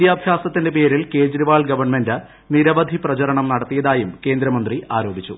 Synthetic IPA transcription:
id̪jaːbʱjaːsɐt̪ːinde̞pe̞ːɾilke̞ːd͡ʑɾiʋaːɭɡɐʋɐrɳme̞ndɨ | niɾɐʋɐd̪ʱiprɐt͡ɕɐɾɐɳɐmnɐɽɐt̪ːijɐðaːjumke̞ːnd̪ɾɐmɐnd̪riʔaːɾo̞ːbʱit͡ɕːṵ

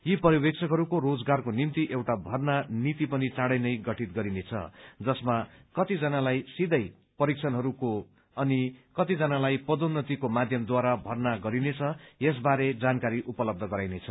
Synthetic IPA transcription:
jipʌɾibek̚t͡sʰʌkɦʌɾukorod͡zɡarkonimt̪iʔewʈabʱʌrnanit̪ipʌnit͡saɽʌjnʌjɡʌʈʰit̪ɡʌɾinet͡sʰʌ̰d͡zʌsmakʌt̪id͡zʌnalajsid̪ʌj | pʌɾikt͡sʰʌnɦʌɾuko | ʌnikʌt̪id͡zʌnalajpʌd̪onːʌt̪ikomad̪ʱjʌmd̪waɾabʱʌrnaɡʌɾinet͡sʰʌjes̬baɾed͡zankaɾiʔupʌlʌb̚d̪ʱʌɡʌɾajnet͡sʰʌ

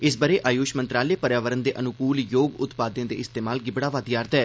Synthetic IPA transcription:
ɪs̬bəːɾeːʔaːjuːʃmənt̪ɾaːleːpəɾjaːʋəɾənd̪eːʔənʊkuːljoːɡʊt̪paːd̪ẽːd̪ḛːʔɪst̪eːmaːlɡɪbɽaːʋaːd̪ɪjaːɾt̪ɛː

